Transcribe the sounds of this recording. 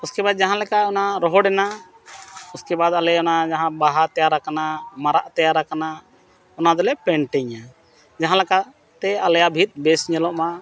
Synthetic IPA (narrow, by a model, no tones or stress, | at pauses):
uskɛbad̪̚d͡ʒaɦãlɛkaɔnaɾɔɦɔɖɛna | uskɛbad̪alɛɔnad͡ʒaɦãbaɦat̪ɛjaɾakanamaɾaʔt̪ɛjaɾakana | ɔnad̪ɔlɛpɛɳʈɛɲa | d͡ʒaɦãlɛka | t̪ɛalɛjabʱit̪̚ˀbɛsɲɛlɔʔma